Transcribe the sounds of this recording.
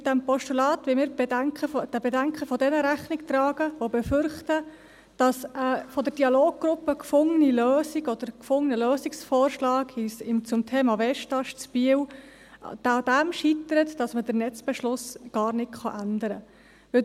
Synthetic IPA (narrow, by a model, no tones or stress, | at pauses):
d̥æmpɔʃtulɑːt̪ʋɪlmɪːɾbɛdæŋkχəfd̪̥æbɛdæŋkχəfɔdɛnəɾæχnɪkt̪ɾɑːɡ̥əʋobɛfʏɾχt̪ə | d̥ɑsəfɔd̪əɾd̥iɑloːɡ̚ɡɾʊpːəkfʊŋːəniløːsiɡɔd̪̥əɾkfʊŋənəløːsiksfɔːɾʃlɑːɡhisɪmt͡sʊmtʰeːmɑʋɛʃtɑʃt͡sb̥iəw̰ | d̥d̥̪æmʃit̪əɾət̪d̥ɑsmədəɾnɛt͡sb̥ɛʃlʊsɡ̥ɑːɾnɪtχɑʔænd̪əɾə | ʋɪ